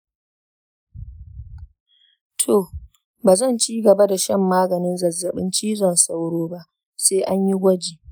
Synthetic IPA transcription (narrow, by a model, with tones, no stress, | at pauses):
tʰoː˨ | baː˨zɐ˦˨nt͡ʃiː˦ɡɐ˨ba˦da˨ʃɐ˦mːaː˦ɡɐ˨nɪ˦nzɐ˨zːɐ˨ɓɪ˦nt͡ʃiː˦zɔ˨nsa˦wɽoː˦ba˦ʔ | seː˦ʔa˦ɲji˦ɡʷɐ˦d͡ʒiː˨